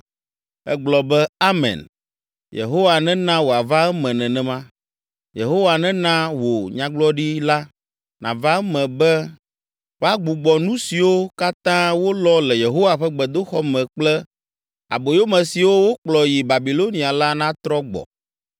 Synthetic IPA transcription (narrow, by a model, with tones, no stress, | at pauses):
ɛ̰˦ɡ͡blɔ˨bɛ˦a˦mɛ̰̃˨n | jḛ˨ɦo˦wa˨nɛ̃˦nã˦wo˨a˨va˦ɛ˦mɛ̃˨nɛ̃˨nɛ̃˨mã˦ | jḛ˨ɦo˦wa˨nɛ̃˦nã˦wo˨ɲã˦ɡ͡blɔ˦ɖi˦la˦ | nã̰˨va˦mɛ̃˨bɛ˦ | wo˨˦a˦ɡ͡bu˨ɡ͡bɔ˨nũ˦si˨wo˦ka˦t̪ã˦wo˦lɔ˦lɛ˨je˨ɦo˦wa˨ɸɛ˦ɡ͡bɛ˨d̪o˦xɔ˦mɛ̃˨k͡plɛ˦ | a̰˨bo˨jo˦mɛ̃˨si˨wo˦wo˦k͡plɔ˨ji˨ba˨bi˨lo˦nĩ˨a˨la˦nã˦t̪ɾɔ˦ɡ͡bɔ̰˨